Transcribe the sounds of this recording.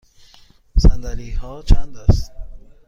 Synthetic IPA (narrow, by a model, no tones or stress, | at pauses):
sand̪aɾihɔːt͡ʃʰand̪ast̪